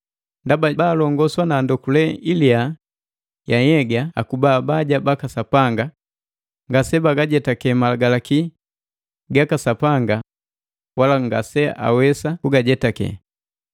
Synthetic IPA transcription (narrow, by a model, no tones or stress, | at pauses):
ndababaːlɔŋɡɔswanaːndɔkulɛilia | jaɲɛɡaa̰kubaːbaɟabakasapaŋɡa | ŋɡasɛbaɡaɟɛtakɛmalaɡalaki | ɡakasapaŋɡa | walaŋɡa̰sɛʔa̰wɛsakuɡaɟɛtakɛ̰